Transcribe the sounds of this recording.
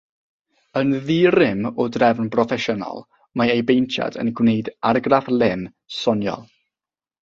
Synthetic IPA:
ənðiɾɪmɔdrɛvnbrɔfɛʃɔnɔ̰lˠ | maejbejntʰja̰də̰nɡwneɨdarɡravlˠɪm | sɔnjɔ̰lˠ

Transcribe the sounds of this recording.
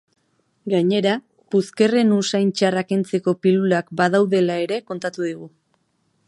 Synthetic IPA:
ɡaɲe̞ɾa | puske̞re̞nusajnt͡ʃarakent͡se̞ko̞pilulakbaðawðe̞lae̞ɾe̞ko̞nt̪at̪uð̞iɣ̞u

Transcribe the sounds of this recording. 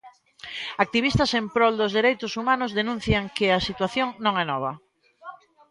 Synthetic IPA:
ak̚t̪iβ̞ist̪ɐsẽmpɾɔld̪ʊzðeɾejt̪ʊsumãnʊzðenũn̟θjaŋkɪɐsit̪waθjoŋnõŋɛnɔβ̞ɐ

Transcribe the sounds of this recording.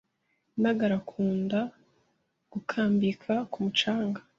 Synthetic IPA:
naɡaɾakʰuːnda | ɡ̥ukʰaːmbikʰakumut͡ʃaːŋɡa

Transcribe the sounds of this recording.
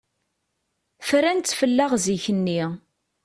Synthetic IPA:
fɾænt͡s̪ːfəlːaʁziçənːi

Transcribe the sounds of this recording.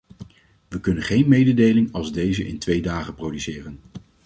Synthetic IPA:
ʋəkɵnənχejnmejdədejlɪŋɑlˠzdejzəʔɪ̰ntʋejdaːχəprodysɪːrən

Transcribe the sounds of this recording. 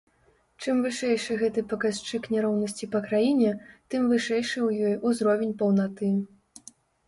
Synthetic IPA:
t͡ʂɨmvɨʂɛjʂɨɣɛt̪ɨpɐkast͡ʂɨknʲɛɾɔwnɐsʲt͡sʲipɐkɾajinʲɛt̪ɨmvɨʂɛjʂɨwjɔjuzɾɔvʲenʲpɐwnat̪ɨ

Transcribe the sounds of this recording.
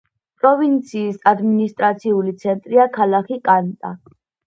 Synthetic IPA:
pʼɾɔvint̪sʰiːsad̪minist̪ʼɾat̪sʰiulit̪sʰɛnt̪ʼɾiakʰalakʰikʼant̪ʼa

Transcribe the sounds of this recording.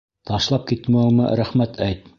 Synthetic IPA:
t̪ɑʃlˠɑp̚kit̪mæumɤ̰ɾæχmæt̪ʰæjt̪̚

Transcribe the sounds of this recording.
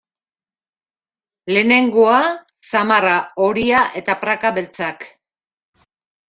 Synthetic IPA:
le̞ne̞ŋɡo̞a | samaraoɾiaʔe̞t̪apɾakaβe̞lt͡sak

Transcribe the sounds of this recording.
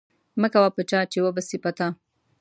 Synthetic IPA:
məkawapət͡ʃɑt͡ʃewəbasipat̪a

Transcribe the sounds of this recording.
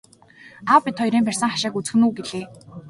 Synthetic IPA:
awpit̪ʰɔjɾiːmpær̥ʲsə̆ŋχaʃaːkut͡sxɘ̆nuːɡeɮeː

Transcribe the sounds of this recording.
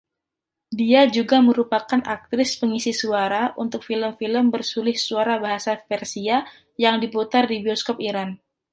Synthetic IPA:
diad͡ʒuɡaməɾupakanʔak̚t̪ɾɪspəŋisisuaɾaʔunt̪ʊk̚filəmfiləmbərsulɪhsuaɾabaɦasafɛrsia | jaŋdiput̪ardibiɔskɔp̚iɾan

